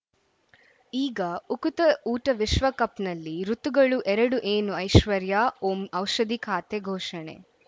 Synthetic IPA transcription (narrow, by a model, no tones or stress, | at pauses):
iːɡɐukut̪ɐuːʈɐʋiʃʋɐkɐpnɐlːiɾut̪uɡɐɭuʔɛɾɐɽuʔeːnuɐjʃʋɐɾjaːomɐwʃɐd̪ikʰaːt̪eɡʱoːʃɐɳḛ